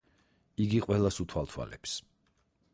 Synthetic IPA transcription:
iɡiqʼwɛlˠasut̪ʰwalˠt̪ʰwa̰lɛps

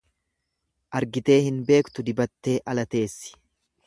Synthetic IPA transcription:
ʔɐɾɡɪt̪e̞ːhɪnbe̞ːkt̪ʊd̪ɪbɐt̪ːe̞ːʔɐlɐt̪e̞ːsːɪ̥

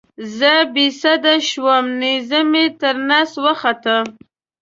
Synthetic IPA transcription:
zəbisad̪aʃwəmnizəmet̪əɾnaswəxat̪ə

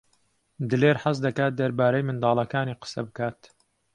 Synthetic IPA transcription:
d̪ɨleːɾħɐs̬d̪ɐkaːt̪̚d̪ɐɾbaːɾɐjmɨnd̪ɑːlˠɐkaːniːqə̥sɐbɨkaːt̪

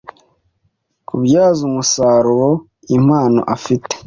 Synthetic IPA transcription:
kubjaːzumusaːɾuɾo | im̥aːno̰ʔafite̥

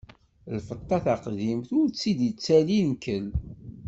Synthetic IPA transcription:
lfət̪ˤːɑθaqðimθʊɾt͡sːid̪jət͡sːælinkəl

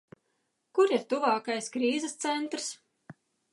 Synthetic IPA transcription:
kuɾiɾt̪uvɑːkajskɾiːzɛst̪sɛnt̪ɾs

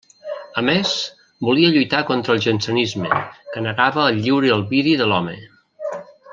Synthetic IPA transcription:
əmes | buliəʎujt̪akɔnt̪ɾəlˠʒənsənizmə̰kənəɣaβəːʎːiwɾəəlˠβiðiðəlɔmə̰

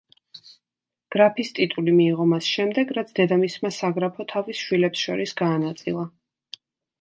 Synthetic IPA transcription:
ɡ̥ɾapʰist̪ʼit̪ʼulimiːʁɔmasʃɛmd̪ɛɡɾat̪sʰd̪ɛd̪amismasaɡɾapʰɔt̪ʰavisʃwilɛpsʃɔɾisɡaːnat̪sʼḭlˠa

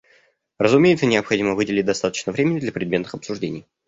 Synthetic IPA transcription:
rəzʊmʲejt̪sənʲɪɐpxɐdʲiməvɨdʲɪlʲɪt̚ʲd̪ɐst̪at̪ə̥t͡ɕnəvɾʲemʲɪnʲːɪd̪lʲɐpɾʲɪd̪ʲmʲet̪nɨxɐpsʊʐdʲenʲɪj

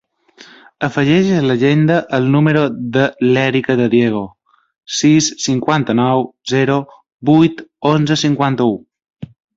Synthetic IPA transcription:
əfəʒɛʒələʒend̪əʔəlˠnuməɾoðəlɛɾikəðəðjeɣ̞o | sisːiŋkwant̪ənɔwzɛɾo | bujt̪onzəsiŋkwant̪əu

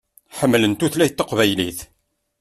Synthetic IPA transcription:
ħəmːlənt̪uθlæjt̪ːəqvæjliθ

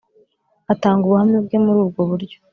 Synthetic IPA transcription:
ataːŋɡuβuhamɲebɡe̞muɾuːb̚ɡoβuɾɟo̥

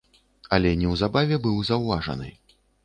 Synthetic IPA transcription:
ɐlʲɛnʲɛwzabavʲɛbɨwzɐwvaʐɐ̰nɨ̰

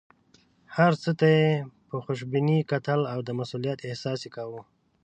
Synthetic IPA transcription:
haɾt͡sət̪ajepəxʊʃ̬binikat̪əlawd̪əmasulijat̪ɪhsɑsekawu

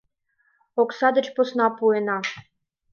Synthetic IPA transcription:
oksɑd̪ə̆t͡ɕposnɑpuenɑ

